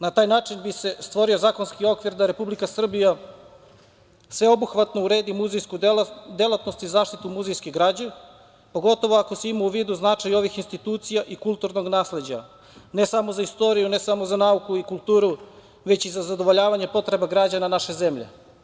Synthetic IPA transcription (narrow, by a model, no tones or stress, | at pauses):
nat̪aːjnaːt͡ʂinbise̞st̪ʋo̞ɾio̞zaːko̞nskio̞kʋiɾd̪aɾe̞publikasr̩bija | sʋe̞o̞buxʋat̪nouɾe̞ːd̪imuzejskud̪elˠat̪no̞st̪izaːʃt̪it̪umuzejskeɡɾaːd͡ʑe | po̞ɡo̞t̪o̞ʋo̞ako̞seimauʋiːd̪uznat͡ʂajo̞ʋixinst̪it̪uːt̪sijaʔikulˠt̪uɾno̞ɡnaːsle̞d͡ʑa̰ | ne̞samo̞zaist̪o̞ɾijunesamozanaukuikulˠt̪uːɾu | ʋe̞t͡ɕizazad̪o̞ʋo̞ʎaːʋaɲe̞po̞t̪ɾe̞baɡɾad͡ʑananaʃe̞zemʎḛ